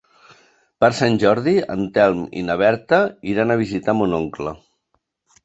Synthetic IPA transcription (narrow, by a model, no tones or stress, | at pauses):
pəɾsanʲʒɔɾðiə̰nt̪ɛlˠmḭnəβɛɾt̪əiɾanəβizit̪amunoŋklə̰